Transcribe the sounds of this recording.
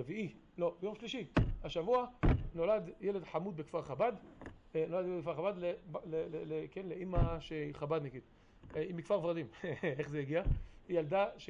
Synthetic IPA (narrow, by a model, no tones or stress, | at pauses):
viʔi | lo̞bejo̞mʃliʃihaʃavuano̞ladjele̞dħamud̪bekfaʁχabad̪no̞lad̪jelekfaʁabad̪leblelelekenleʔimaʃeiχabad̪naɡid̪ | eimikfaʁvʁadimeχzejiɡiaijald̪aʃ